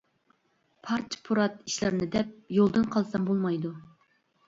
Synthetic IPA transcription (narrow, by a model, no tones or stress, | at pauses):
pʰɑɾt͡ʃʰpʰuɾɑt̪iʃlɪɾnɪd̪ɛp̚jolˠd̪ɨnqʰɑlˠsɑmbolˠmɑjd̪u